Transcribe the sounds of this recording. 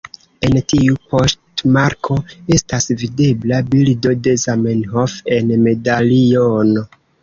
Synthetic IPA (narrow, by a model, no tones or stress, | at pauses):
e̞ntiupo̞stmaɾkʰo̞e̞stasvide̞blabildo̞de̞zamenhofe̞nme̞daliono